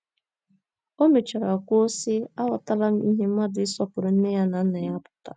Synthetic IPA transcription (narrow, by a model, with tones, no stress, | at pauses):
o˦me˨t͡ʃa˨ɾa˨kʷo˦si˦a˦wa˨ta˦la˦m̩˦i˦ɦe˦m̩˦ma˦dʊ˨ɪ˦sɔ˦pʊ˨ɾʊ˨n̩˦ne˦ja˦na˨n̩˦na˨ja˦pʊ̥˦ta̰˨